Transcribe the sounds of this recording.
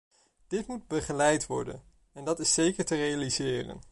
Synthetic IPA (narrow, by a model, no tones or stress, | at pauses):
d̥ɪtmud̚bəχəlɛjtʋɔ̰ɹdə̰n | ɛndɑtɪsejkəɹtərejalizɪːrə̰n